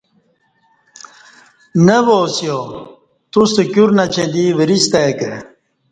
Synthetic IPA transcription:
nəboːsijo | t̪usekuɾnɐt͡ɕʰed̪iʋəɾist̪ake

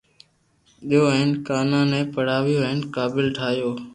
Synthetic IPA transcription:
ɗɪjoːəɪnkaːnãːnɛ̃ːpəɽ̤aːʋɪjoːəɦɪnkaːbɪlʈʰaːjoː

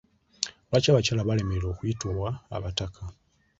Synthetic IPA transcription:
βacaβacalaβale̞melo̞ːkwitolwaa̰βatakʰa

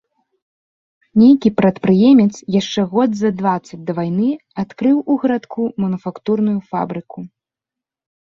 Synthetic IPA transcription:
nʲejkʲipɾɐt̪pɾɨjɛmʲɛt̪sjaʂt͡ʂɛɣɔd̪zɐd̪vat̪sːɐd͡zʲd̪ɐvajnɨat̪kɾɨwuɣɐɾat̪kʰumɐnufakt̪urnujufa̰bɾɨkʰu

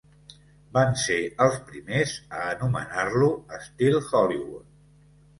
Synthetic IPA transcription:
banseəlˠspɾimezəːnumə̰narluəst̪ilˠxɔliβut̪̚

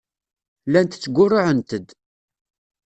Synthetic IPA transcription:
lænt̪ə̥t͡sːəɡʷʊrːʊʕənt̪əd̪

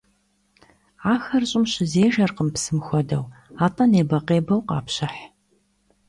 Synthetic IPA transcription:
aːxɐrɕʼɪmɕɪzeːʒɐrqəmpsɨmxʷɔdɐ̰waːtʼɐneːbɐqeːbɐwqɑ̰ːpɕɐħ

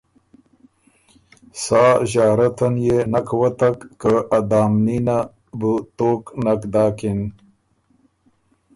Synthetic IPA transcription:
sɑːʑaːɾat̪anjenakwat̪akːəad̪aːmnina | but̪oːknakd̪ɑːkin

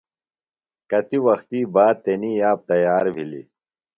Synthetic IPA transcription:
kɐt̪iwɐxt̪iːbaːd̪̚t̪eniːjaːp̚t̪ɐjaːɾbʱilḭ

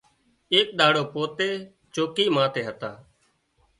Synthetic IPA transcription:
eːk̚ɗ̪aːɽoːpoːt̪eː | t͡ʃoːkiːmãːt̪eːɦət̪aː

